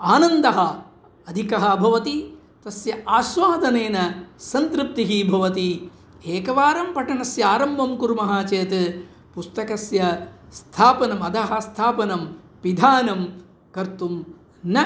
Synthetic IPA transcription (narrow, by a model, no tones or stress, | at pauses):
aːnɐnd̪ɐɦɐ | ɐd̪ʱikɐɦɐ̆bʱɐʋɐt̪i | t̪ɐsjɐʔaːʃʋaːd̪ʱɐneːnɐsɐnt̪ɾɨp̚t̪iɦibʱɐʋɐt̪i | eːkɐʋaːɾɐmpɐʈɐnɐsjɐaːɾɐmbʱɐmkuɾmɐɦaːt͡ʃeːt̪ | pust̪ɐkɐsjɐst̪ʰaːpɐnɐmɐd̪ɐɦɐ̆st̪ʰaːpɐnɐm | pid̪ʱaːnɐm | kɐɾt̪um | nɐ